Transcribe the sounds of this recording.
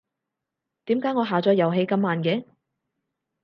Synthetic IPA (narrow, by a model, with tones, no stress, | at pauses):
t̪iː˨˥mkaː˨˥jŋɔː˨˧ɦaː˨˩t͡sɔː˨˥jɐ˨wɦe˧jkɐ˧mːaː˨˧nkɛː˨˧˥